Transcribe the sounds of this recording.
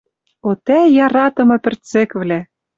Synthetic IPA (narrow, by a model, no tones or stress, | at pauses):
ot̪æjɑɾɑt̪ɤ̆mɤ̆pʲɘ̆rt͡sĕkvlæ